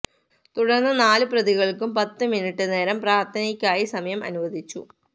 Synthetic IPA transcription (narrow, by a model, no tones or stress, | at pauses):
t̪uɽɐrnːɐnaːlɨprɐðiɣɐɭkumpɐt̪ːɨminiʈːɨne̞ːɾɐmpraːrt̪ʰɐnɐkʲːaːjisɐmɐjɐmʔɐ̰nuʋɐd̪ʱit͡ɕːṵ